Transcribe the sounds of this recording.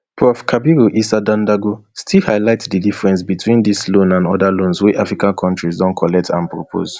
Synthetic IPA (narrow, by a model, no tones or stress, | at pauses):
pʰɹɔfkʰabiɹuʔisadãndaɡostʰilhaɪlaɪtsdidifɹɛ̃nsbitʰwĩndislõnãnɔdalõnswɛʔafɹikãnkʰɔ̃ntɹizdɔ̃nkʰɔlɛk̚tãnpɹopʰo̰z